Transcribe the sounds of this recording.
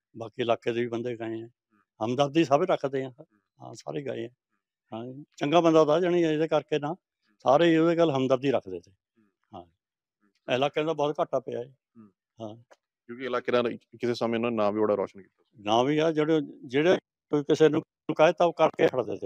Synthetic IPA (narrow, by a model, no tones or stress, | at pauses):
baːkiːɪlaːkeːd̪eːiːbənd̪eːɡaːeːɛ̃ː | həmd̪əb̚d̪iːsaːbeːɾəkʰd̪eːãː | ɦã̰ːsa̰ːɾeːɡa̰ːḛːɛ̃ː | hãːt͡ʃəŋɡaːbənd̪aːd̪aːd͡ʒɪniːɪdeːkəɾkeːnãː | saːɾeːoːeːɡəlɦəmd̪əbd̪iːɾəkʰd̪eːt̪eː | hãːi | ɪlaːkeãd̪aːbɔːt̪kəʈːaːpəa̰ːɛː | hãː | kjõːkiɪlaːkeːd̪ãːkɪseːsaːmẽːnãːnãːʋiːboɽaːɾɔ̰ːʃənkiːt̪anãːʋiːɛːd͡ʒeːɽed͡ʒeːɽeː | kiːkɪseːnũː | ũːkaːeːt̪aːoːkəɾkeːkʰəɽd̪ḛːt̪eː